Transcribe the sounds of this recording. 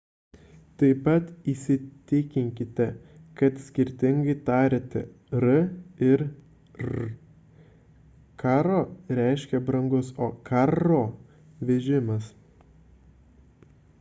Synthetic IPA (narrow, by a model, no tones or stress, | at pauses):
t̪ɐɪpɐt̪iːsʲɪt̪ʲɪkʲɪŋʲkʲɪt̪ʲɛkɐt̪sʲkʲɪɾʲt̪ʲɪŋɡɐɪt̪ɑːɾʲet̪ʲɛ̰ | ɾɐɪɾ | kɑːɾoːɾʲæˑɪʃʲkʲɛbɾɐŋɡʊsoːkɑɾoː | ʋʲɛʒʲɪmɐs